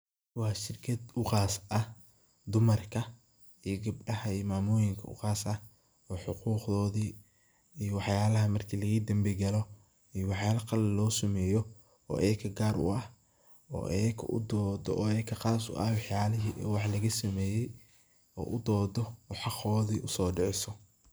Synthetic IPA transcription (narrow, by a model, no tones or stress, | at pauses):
wɑːʃɪrkʰɐd̪ʊqɑːsʔɐ | d̪ʊmɐrkʰɐ | ijɔɡɐb̚ɖɐhɐiːmaːmʊːjɪŋkʰɐʊ̰qɑːsɐ | ɔːħʊquːqðɔːðiː | ijɔwɑħjaːlɐɦɐmɐrkʰilɐɣiːd̪ɐmbɛɡɐlɔ | ijɔwɑħjaːlɐqɑlɪlɔːsɐmɛːjɔ | ɔ̰ːʔɛːkʰɐɡaːɾʊ̰ʔɐh | ɔ̰ːʔɛːkʰɐ̰ʔʊ̰d̪ɔːd̪ɔ̰ʔɔːɛːkʰːɐqɑːsʊ̰ʔɐ̰hwɑħjaːlɪɦiːʔɛːwɑħlɐɣɐsɐmɛːjɛj | ɔ̰ːʔʊd̪ɔːd̪ɔwħɑqɔːðiːʔʊsɔːɖɪʕɪsɔ